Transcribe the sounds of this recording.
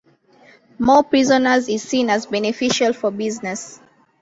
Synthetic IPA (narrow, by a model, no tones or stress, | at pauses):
mɔpɹizɔnaziz̥sĩnazbɛnifiʃalfɔbiznɛs